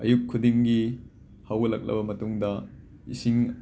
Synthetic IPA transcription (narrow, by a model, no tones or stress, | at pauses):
ɐjukʰːudiŋɡi | hawɡɐlɐ̰k̚lɐ̰bɐmɐtuŋdɐ | ḭsiŋ